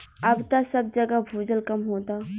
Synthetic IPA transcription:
ɐbt̪asɐb̚d͡ʒɐɡabʱuːd͡ʒəlkɐmɦoːt̪aː

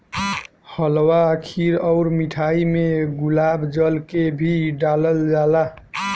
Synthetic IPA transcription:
həlwakʰiɾɔʊɾmiʈʰaimeɡulabd͡ʒəlkebʱiɖaləld͡ʒala

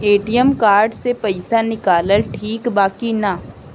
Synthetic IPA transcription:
eːʈijəmkaːɾɖsepɐɪsanɪkaːləlʈʰiːkbaːkina

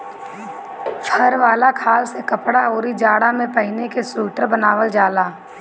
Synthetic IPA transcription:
pʰɐɾʋaːlakʰaːlsekɐpɽaoːɾid͡ʒaːɽamẽpɐɦɪnekesuːʈəɾbənaːʋəld͡ʒaːlaː

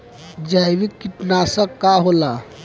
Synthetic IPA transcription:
d͡ʒajbikːiʈnasəkːaɦola

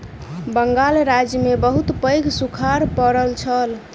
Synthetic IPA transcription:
bəŋɡalɾad͡ʒjəmebəɦut̪pə̃jɡʱsukʰaɾpəɾəlt͡ʃʰəl

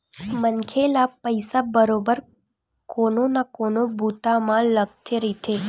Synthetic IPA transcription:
mənkʰelapəjsabəɾobəɾ | kononakonobʱut̪amãləɡt̪ʰjəɾit̪ʰe

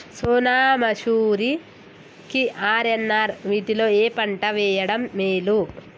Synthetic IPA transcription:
suːnaːmɐʃuːɾi | kiʔaːɾenːaɾʋiːʈilo̞ːeːpɐɳʈɐʋɛːjɐɽɐmːeːlu

